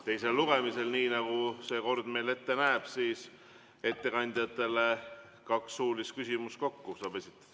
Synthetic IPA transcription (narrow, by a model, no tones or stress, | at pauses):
t̪e̞jse̞lːuɡ̥e̞mise̞lniːnɑɡ̥use̞ko̞rd̪̥me̞jle̞t̪ːe̞næeb̥siːs | e̞t̪ːe̞kɑnʲd̪̥ʲjɑt̪ːˑe̞le̞ | kɑksːuːlist̪̚kysʲimust̪ko̞kːusɑːbe̞sʲit̪ˑːɑ̥